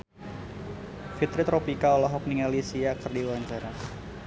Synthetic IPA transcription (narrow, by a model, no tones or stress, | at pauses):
fit̪ɾit̪ɾopikaɔlɔɦɔk̚niŋalisiakərdiwaɲt͡ʃaɾa